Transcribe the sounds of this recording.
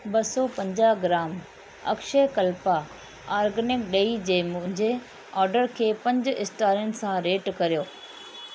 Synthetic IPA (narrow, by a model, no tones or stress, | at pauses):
bɐsɔpɐ̃ɲd͡ʑaːɦɡɾaːm | ɐ̰kʃekɐlpa | aːɾɡənɪkɗeid͡ʑeːmʊ̃ɦɪ̃ɲd͡ʑe | ɔːɾɖəɾkʰeːpɐ̃ɲd͡ʑɪsʈaːɾijʊnɪ̆sãɾeːʈkɐɾijoː